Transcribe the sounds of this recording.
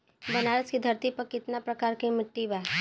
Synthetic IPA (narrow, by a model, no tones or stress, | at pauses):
bɐnaːɾəskid̪ʱɐɾt̪ipɐkːɪt̪napɾɐkaːɾkimɪʈːiba